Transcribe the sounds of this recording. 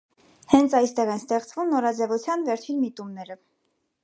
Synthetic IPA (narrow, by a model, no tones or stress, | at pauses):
hɛnt͡sʰɑjst̪ɛʁɛnst̪ɛχt͡svumnɔɾɑd͡zɛvut͡sʰjɑnvɛɾt͡ʃʰinmit̪umnɛɾə